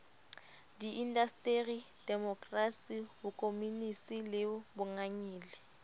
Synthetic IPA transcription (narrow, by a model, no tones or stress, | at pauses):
diʔindastʼeridɛmɔkʼrasihʊkʼomunisilɪbʊŋaɲiːlɛ